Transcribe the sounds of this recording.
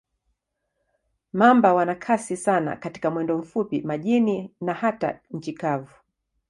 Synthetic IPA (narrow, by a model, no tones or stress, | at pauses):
mambawanakʰasisana̰kati̥kamwɛndɔm̩fupimaʄininahata̰ɲ̩t͡ʃikavu